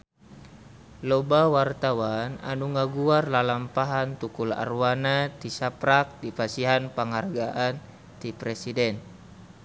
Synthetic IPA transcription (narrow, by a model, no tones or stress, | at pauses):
lɔbawart̪awana̰nuŋaɡuarlalampaɦant̪ukula̰rwanat̪isapɾak̚dipasiɦanpəŋɦarɡaʔan | t̪ipɾɛsidɛn